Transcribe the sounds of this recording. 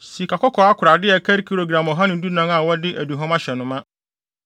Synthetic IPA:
si˨kʰa˨kɔ˦kʰɔ˨˦a˦kʰʊ˨ɾa˨dɪ˦ɛ˨kʰɛ˦ɾkʰi˦˨ɾo˨ɡɾã˨mɔ˨ɦã˦nɪ̃˨˦du˦nã˦ŋa˨wɔ˦dɪ˦ʔæ˨du˨ɦɔ̃˦mã˦ɕɛ˨nʊ̃˨˦mã˦

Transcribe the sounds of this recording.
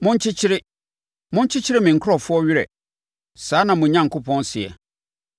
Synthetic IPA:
mʊ̃˦ɲ̩˦t͡ɕʰɪ˦t͡ɕʰɪ˦ɾɪ˦ | mʊ̃˦ɲ̩˦t͡ɕʰɪ˦t͡ɕʰɪ˦ɾɪ˦mɪ̃˨ŋ̩˨kʰʊ˦ɾɔ˨fʊ˦ɔ˦ɥɪ˦ɾɛ̰˨ | saː˨˦nã˨mʊ̃˨ɲã˨ŋ˦kʰʊ˦pʰɔ̃˦nsɪ˨ɛ̰˨

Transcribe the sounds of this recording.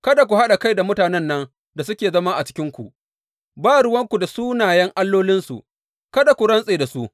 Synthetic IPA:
kɐ˦da˨k̬ʷu˨ha˦ɗa˨ka˦jda˨mʊ˦taː˨nɛ˦nːɐ˦ŋ | da˨sʊ˦kʲeː˨zɐ˦maː˦ʔa˨t͡ʃɪ̥˦kʲɪ˦ŋkʷṵ˨ʔ | baː˦ɽʊ˦wɐ˦ŋkʷu˨da˨suː˦naː˨jɛ˦ŋʔa˦lːoː˦lɪ˦nsṵ˨ | kɐ˦da˨kʷu˨ɾɐ˦nsʼeː˨da˨su˦ʔ

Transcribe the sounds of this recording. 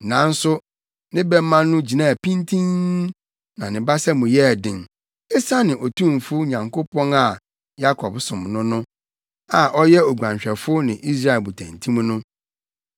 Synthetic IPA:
nã˨n̩˦sʊ˦ | nɪ̃˦bɛ˦mã˦nːʊ̃˦d͡ʑi˨nã˦˨pĩ˦ntʰĩ˦ŋ | nã˨nɪ̃˨ba˦sɛ˦mũ˨jɛ˦˨dɪ̃˨ŋ | ɛ˦sa˦nɪ̃˨ʔɔ˨tʰũ˦m˨fʊ˦ɲã˨ŋko˦pʰɔ̃˦na˨ | ja˦kʰɔ˨bsʊ̃˨mnʊ̃˦nʊ̃˦ | a˨ʔɔ˦jɛ˦o˨ɡʷã˨ɕᶣɛ˨fʊ˦nɪ̃˨ʔi˦s̬ɾa˦ɛ˨bu˨tʰæ̰̃˨ntʰĩ˦m˦nʊ̃˦

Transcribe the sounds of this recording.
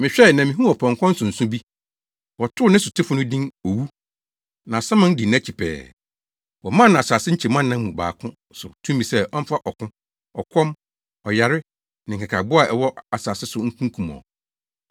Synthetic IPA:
mɪ̃˨ɕᶣɛ˦˨nã˨mɪ̃˨ɦũ˦ɔ˨pʰɔ̃˨ŋ˨kʰɔ̃˦n̩˦sʊ̃˨n̩˨sʊ̃˦bi˦ | wɔ˨tʰʊ˦nɪ̃˦sʊ˨tʰɪ˦fʊ˦nʊ̃˦dĩ˦ŋo˨wu˦ | nã˨sã˦mã˦n˦di˨n˦ã˦t͡ɕʰi˨pʰɛ̰ː˨ | wɔ˨mã˦nã˨sa˨sɪ˦ɲ̩˦t͡ɕʰɛ˨mã˦˨nː˨ã˦mũ˨ba̰ː˨kʰʊ̃˦ | sʊ˨tʰũ˦m˦mĩ˨sɛ˦ʔɔ˦m̩˦fa˦ʔɔ˨kʰʊ̃˦ | ɔ˨kʷʰɔ̃˦m | ɔ˨ja˨ɾɪ˦ | nɪ̃˨ŋ˨kʰa˨kʰa˨bʊ˦a˨ʔɛ̰˨wɔ˦ʔa˨sa˨sɪ˦sʊ˨ŋ̩˦kʰũ˦ŋ˦kʰũ˨m˨ɔ̰˨

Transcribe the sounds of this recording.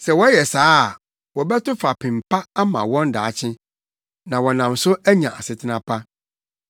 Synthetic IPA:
sɛ˨wɔ˦jɛ˨saː˦˨ | wɔ˨bɛ˦tʊ˦fa˨pʰɪ̃˨m̩˨pʰa˦a˦mã̰˨wɔ̃˦nda̰ː˨t͡ɕʰɪ̃˦ | nã˨wɔ˨nã˨msʊ˦æ˦ɲã˨ʔa˨sɪ˨tʰɪ˦nã˨pʰa˦

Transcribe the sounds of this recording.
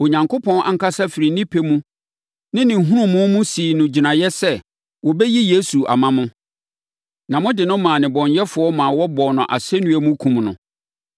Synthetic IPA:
o˨ɲã˨ŋkʰo˦pʰɔ̃˦nʔa̰˨ŋ̩˨ka˦sa˦fɪ˨ɾi˨nĩ˦pʰe˨mũ˦ | nɪ̃˦nɪ̃˨ŋ̩˨ɦũ˦ɾũ˦˨mʊ̃˦mʊ̃˦siː˨nʊ̃˨d͡ʑi˨nã˨jɛ˦sɛ˦ | wɔ˨bɛ˦ji˦je˦su˨ʔa̰˨mã˦mʊ̃˦ | nã˨mʊ̃˦dɪ˨nʊ̃˦mã˨nɪ̃˨bɔ̃˨ɲjɛ˦fʊ˨˦ɔ˦mã˨wɔ˦bɔ˨nʊ̃˨ʔa̰˨sɛ˦nũ˦æ˨mũ˦kʰũ˨mnʊ̰̃˨

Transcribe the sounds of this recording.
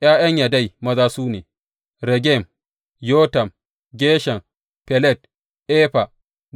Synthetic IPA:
jaː˦j̰ɐ˦ɲjaː˨da˦˨jmɐ˦zaː˦suː˦neː˨ | ɾɛ˨ɡʲɛ˦˨m | joː˦tɐ˨m | ɡʲeː˦ʃɐ˨ŋ | pɛ˨lɛ˦˨t̚ | ʔeː˦ɸa˨

